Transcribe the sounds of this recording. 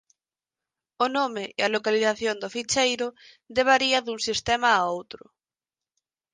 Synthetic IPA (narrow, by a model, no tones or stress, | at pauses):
ʊnomɪʔɪɐlokaliθaθjond̪ofit͡ʃejɾʊ | ðd̪eβ̞aɾiɐðuŋsist̪ɛmaːowt̪ɾʊ